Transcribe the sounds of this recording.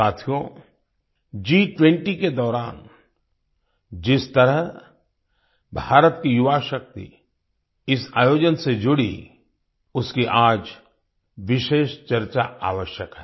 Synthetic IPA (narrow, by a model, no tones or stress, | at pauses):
aːt̪ʰijõ | d͡ʒiːʈwẽɳʈiked̪ɔːɾaːn | d͡ʒɪst̪əɾəɦ | bʱaːɾət̪kijʊʋaːʃək̚t̪ḭ | ɪsa̰ːjoːd͡ʒənsed͡ʒʊɽḭ | ʊskiʔaːd͡ʒ | ʋɪʃeːʃt͡ʃɐɾt͡ʃaa̰ːʋəʃjəkɦɛː